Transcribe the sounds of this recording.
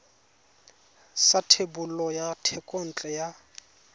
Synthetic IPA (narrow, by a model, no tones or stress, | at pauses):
satʰebʊlɔjatʰɛkʼon̩t͡ɬʼɛja